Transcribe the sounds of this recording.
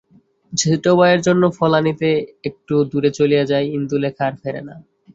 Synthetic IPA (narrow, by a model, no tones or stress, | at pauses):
d͡ʑʱiʈobaeɾd͡ʑonːofɔlanit̪eek̚ʈud̪uɾet͡ɕolijad͡ʑaeind̪ulekʰaɾfeɾḛna̰